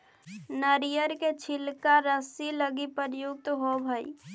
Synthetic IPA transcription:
nəɾijəɾket͡ʃʰilkaɾəsiləɡipəɾjuɡ̚t̪ɦobʱəi

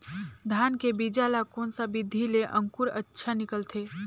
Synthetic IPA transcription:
d̪ʱaːnkebid͡ʒalakɔːnsabɪd̪ʱːileʔə̃ŋkʊɾə̰tːʃʰanɪkəlt̪ʰeː

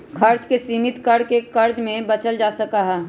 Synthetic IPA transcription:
kʰɐɾt͡ʃkesiːmɪt̪kəɽ̤kekɐɾd͡ʒmẽbɐt͡ʃəld͡ʒaːsəkaɦɛː

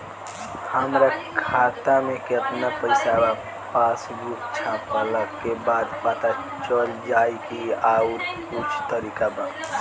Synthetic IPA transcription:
həmɾakʰat̪amẽkeəpnapəɪsaba | pasbuk̚t͡ʃʰãpələkːebad̪pat̪a | t͡ʃəld͡ʒaikiauɾkut͡ʃʰt̪əɾikaba

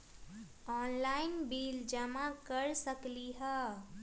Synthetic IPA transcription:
ɔːnlaɪnbiːld͡ʒəmãkəɾsəkliɦə

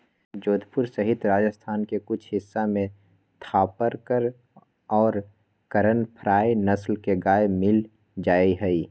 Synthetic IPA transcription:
d͡ʒoːd̪pʊɾsəɦɪt̪ɾaːd͡ʒəst̪ʰaːnkekʊt͡ʃʰɦɪsːamẽ | t̪ʰaːpəɾkəɾ | ɔːɾ | kəɾənpʰɾaːenɐslkeɡaːemɪl | d͡ʒaːiɦɛi

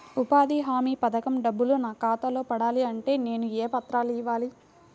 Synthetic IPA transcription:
upaːd̪iɦaːmiːpɐd̪ɐkɐmɖɐbːulunaːkaːt̪ɐlo̞ːpɐɽaːliɐɳʈe̞ːne̞ːnueːpɐt̪ɾaːliʋaːli

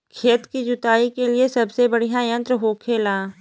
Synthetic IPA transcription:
kʰeːt̪kid͡ʒʊt̪aːikeliesɐbsebɐɽ̤ijãjə̃nt̪ɾəɦoːkʰeːlaː

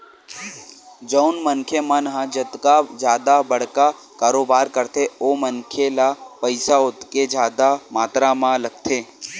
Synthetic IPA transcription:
d͡ʒəʊnmənkʰemənɦãd͡ʒət̪kad͡ʒjaːd̪abəɽ̤ka | kaːɾoːbaːɾkəɾt̪ʰeomənkʰelapəɪsaʊt̪ked͡ʒaːd̪amaːt̪ɾamãləɡ̚t̪ʰeː

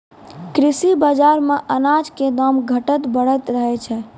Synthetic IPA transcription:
kɾisibəd͡ʒaɾmeʔənad͡ʒked̪əmɡʱəʈət̪bəɽ̤ət̪ɾəɦɛt͡ʃʰɛ

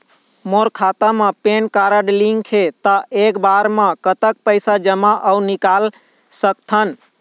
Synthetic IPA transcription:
moɾkʰat̪amepenkaɾəɖliŋkʰet̪əʔekbaɾmẽkət̪ək̚pəjsad͡ʒəmaʔəunikal | sək̚t̪ʰən

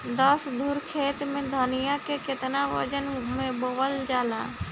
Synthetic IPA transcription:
d̪əsd̪ʱuɾkʰeːt̪mẽd̪ʱənɪjakekɪt̪naʋə̰d͡ʒənmẽboʋəld͡ʒaːla̰ː

